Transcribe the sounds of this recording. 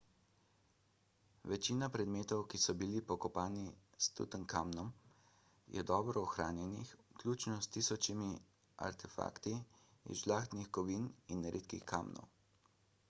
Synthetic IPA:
ʋɛt͡ʃiːnapɾɛd̪meːt̪ɔwkisɔbilipɔkɔpaːnist̪ṵt̪əŋkaːmnɔm | jɛ̰d̪ɔːbɾɔːxɾaːnjɛnixklʲuːt͡ʃnɔst̪isɔt͡ʃimi | a̰ɾt̪ʰɛfa̰ːkt̪iḭʒlaːxt̪nixkɔʋininɾʔḛːt̪kḭxka̰ːmnɔ̰w

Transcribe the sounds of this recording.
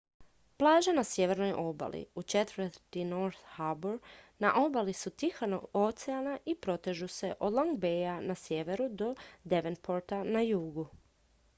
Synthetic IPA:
plˠaːʒanasjeʋe̞ɾnojʔo̞ba̰lʔḭut͡ʃet̪ʋəɾt̪inoɾθhabuɾ | naʔo̞balisut̪ixano̰ot̪seanaʔipɾo̞t̪eʒuse̞ʔod̪lˠoŋɡ̚bejanasjeʋe̞ɾud̪o̞d̪e̞ʋenpʰoɾt̪anajuːɡu

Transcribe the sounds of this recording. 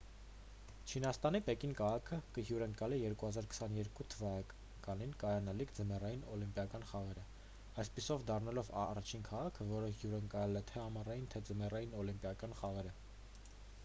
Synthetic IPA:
t͡ʃʰinɑst̪ɑnipɛkinkʰɑʁɑkʰəkəɦjuɾəŋkɑlijɛɾkuhɑzɑɾkʰə̥sɑnjɛɾkut̪ʰəvɑ | kɑninkɑjɑnɑlikʰd͡zəmɛrɑjinɔlimpjɑkɑn̪χɑʁɛɾə | ɑjspisɔvd̪ɑrnɑlɔvɑrɑt͡ʃʰinkʰɑʁɑkʰəvɔɾəhjuɾəŋkɑɛlɛt̪ʰɛɑmɑrɑjint̪ʰɛd͡zəmɛrɑjinɔlimpjɑkɑnχɑʁɛɾə

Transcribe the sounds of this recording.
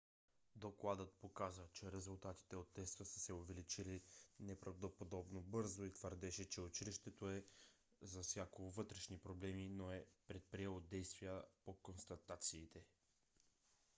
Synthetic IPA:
d̪oklˠad̪ət̪̚pokazət͡ʃɛɾɛzulˠt̪at̪i̥t̪ɛot̪ːɛst̪əsəsɛovɛlit͡ʃilinɛpɾɐvd̪opod̪ɔbnobɤɾzoit̪vəɾd̪ɛʃɛt͡ʃɛʊt͡ʃiliʃt̪ɛt̪oɛ | zɐsʲjakovɤt̪ɾɛʃnipɾoblɛminoɛpɾɛt̪̚pɾiɛlˠod̪ɛjst̪vijəpokonst̪ɐt̪at̪siːt̪ɛ

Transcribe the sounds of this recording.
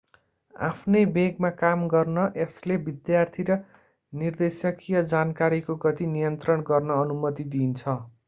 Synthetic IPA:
a̰pʰnʌjbeɡmakamɡʌrnʌʔeslebid̪jart̪ʰiɾʌ | nird̪esjʌkijʌd͡zankaɾikoɡʌt̪inijʌnt̪rʌnɡʌrnʌːnumʌt̪id̪int͡sʰʌ

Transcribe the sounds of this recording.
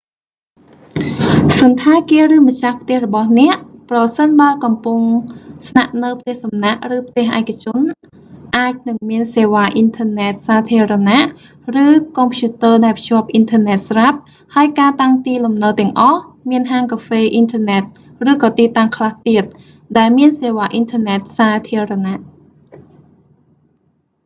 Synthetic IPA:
sunt̪ʰaːkiərɨːmət͡ɕahpʰt̪ɛ̆əhrɔɓɑhnɛ̆əʔprɑsənɓaəlkɑmpuŋsnaʔnɨwpʰt̪ɛ̆əhsɑmnaʔrɨːpʰt̪ɛ̆əhʔaɛkʰːat͡ɕʊ̆ən | ʔaːc̚nɨŋmiənseːʋaːʔint̪ʰəənɛt̪̚saːt̪ʰiəɾanaʔ | rɨːkompʰjuːt̪əːɗaɛlpʰɕŭəp̚ʔint̪ʰəːnɛt̪̚srap̚ | haəjkaːt̪aŋt̪iːlumnəwt̪ɛ̆əŋʔɑhmiənɦaːŋkaːfeːʔint̪ʰəːnɛt̪̚ | rɨːkɑːt̪iːt̪aŋkʰlaht̪iət̪̚ | ɗaɛlmiənseːʋaːʔint̪ʰəːnɛt̪̚saːt̪ʰiəranaʔ

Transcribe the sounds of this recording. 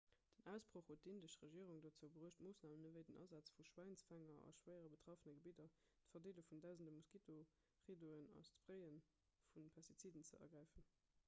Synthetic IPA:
d̥ənæʊsb̥ʁoχhot̚dindəʃʁəʒiəʁuŋdot͡səbəʁuːʃtmoːsnaːmənəvəɪdənʔɑ̰zɑt͡sfuʃwæɪnsfæŋɐɑ̰ʃwæɪəʁəbətʁ̥ɑfənɐɡəbidɐtfɐdeːlufundæʊzəndəmuskitʰo | ʁidoənɑ̰st͡sfʁəɪən | funpʰɛstit͡siːdənt͡sə̰ɐ̰ɐɡʁæɪfən

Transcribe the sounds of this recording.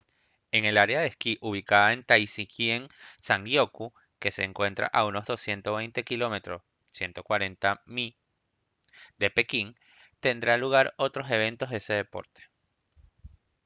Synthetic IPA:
e̞ŋe̞laɾeaðeskiʔuβ̞ikaðae̞nt̪ajsikje̞ŋsaŋɡjo̞ku | ke̞se̞ːŋkwe̞nt̪ɾa̰ʔauno̞zðo̞sje̞nt̪oβe̞jnt̪e̞kilo̞me̞t̪ɾo | sje̞nt̪o̞kwaɾe̞nt̪ami | d̪e̞pe̞kiŋ | t̪e̞nd̪ɾaluɣaɾo̞t̪ɾo̞se̞β̞ẽ̞nt̪oɦðese̞ðe̞po̞̰ɾt̪e̥

